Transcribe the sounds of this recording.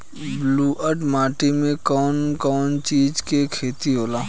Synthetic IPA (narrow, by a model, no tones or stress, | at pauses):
bluːʔəʈmaːʈimẽkɔːnkɔːnt͡ʃiːd͡ʒkekʰeːt̪iɦoːlaː